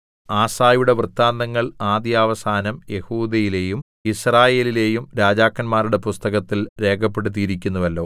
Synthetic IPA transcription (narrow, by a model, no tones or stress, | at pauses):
aːsaːjuɽe̞ʋrɨt̪ːaːnd̪ɐŋːɐɭaːd̪jaːʋɐsaːnɐmjehuːd̪ɐjile̞ːjum | israːje̞ːlile̞ːjumɾaːd͡ʑaːkːɐnmaːɾuɽe̞pust̪ɐɣɐt̪ːilɾe̞ːkʰɐpːe̞ɽut̪̬ːijiɾik̬ʲːunːɐʋɐlːo̞ː